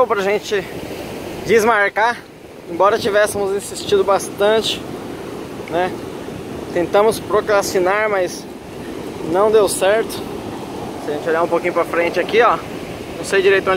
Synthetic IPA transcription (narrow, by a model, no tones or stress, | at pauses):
wpɾɐʒẽnt͡ʃɪ | d͡ʒɪzmaɾka | ẽbɔɾɐt͡ʃivɛsɪmʊzĩsist͡ʃid̪ʊbast̪ɐ̃t͡ʃɪ̥ | nɛ | t̪ẽnt̪ɐ̃mʊspɾokɾasinaɾmɐs | nɐ̃w̃d̪ewsɛɾt̪ʊ̥ | sɪɐʒẽnt͡ʃoʎaũpokĩɲʊpɾɐfɾẽnt͡ʃɪakiɔ | nɐ̃w̃sejd͡ʒiɾejt̪ʊõ